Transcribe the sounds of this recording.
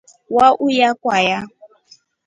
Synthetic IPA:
waʔujakʼwaja

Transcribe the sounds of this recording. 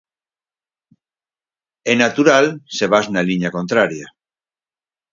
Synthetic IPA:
enat̪uɾalse̞β̞aznaliɲako̞nt̪ɾaɾja

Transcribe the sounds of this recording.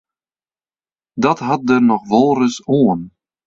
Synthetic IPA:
dɔtɦɑt̚dərnɔχʋɔlˠrəsoːən

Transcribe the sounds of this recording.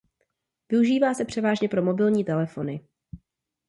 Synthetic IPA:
vɪuʒiːvaːsɛpr̥ɛvaːʒɲɛpɾo̞mo̞bɪlɲiːt̪ɛlɛfo̞nɪ

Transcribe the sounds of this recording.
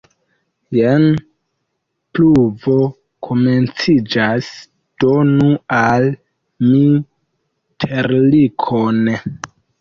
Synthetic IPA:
jen | pluvo̞ | kʰome̞nt͡sid͡ʒas | d̥onual | mi | tʰeɾlikʰon

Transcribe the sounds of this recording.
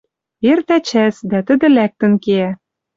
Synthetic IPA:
ert̪æt͡ɕæsd̪æt̪ə̆d̪ɘ̆læk̚t̪ə̆nkeæ

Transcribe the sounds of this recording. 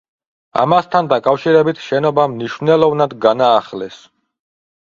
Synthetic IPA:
a̰mast̪ʰand̪akʼafʃiɾɛbit̪ʰʃɛnɔbamniʃvnɛlˠɔvnad̪ɡanaːχlɛs

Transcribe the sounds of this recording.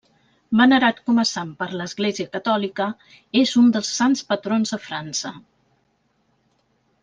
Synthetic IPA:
bənəɾat̪kɔməsampəɾləzɣleziəkət̪ɔlikə | ezund̪əlˠsːanspət̪ɾonzðəfɾansə

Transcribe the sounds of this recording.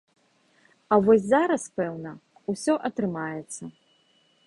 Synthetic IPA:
ɐvɔsʲzaɾɐspɛwnɐ | usʲɔʔɐt̪ɾɨmajɛt̪sːɐ

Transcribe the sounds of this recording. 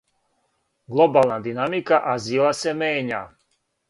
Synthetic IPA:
ɡlˠobaːlˠnad̪inamikaʔazilˠasemeːɲa̰ː

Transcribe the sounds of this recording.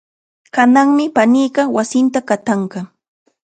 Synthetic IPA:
kanaŋmɪpaniːɢɑwasɪnt̪akat̪aɴɢɑ

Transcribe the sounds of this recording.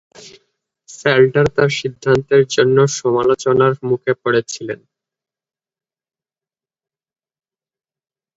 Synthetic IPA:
selʈaɾt̪aɾʃid̪ʱːant̪eɾd͡ʑonːoʃɔmalot͡ɕonaɾmukʰepoɽet͡ɕʰilen

